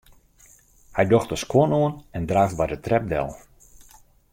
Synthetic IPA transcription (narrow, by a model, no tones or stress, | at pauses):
hɛjdɔxtəskwonoənɛndraːft̚bajdətrɛp̚dɛ̰lˠ